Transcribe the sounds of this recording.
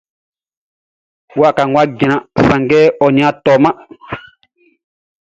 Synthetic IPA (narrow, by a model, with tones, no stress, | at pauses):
wa˦˨ka˨ŋwa˦ɡi˨nã˨sã˨ŋɡɛ˦ɔ˨ɲĩ˨˦ã˦tɔ˨mã˦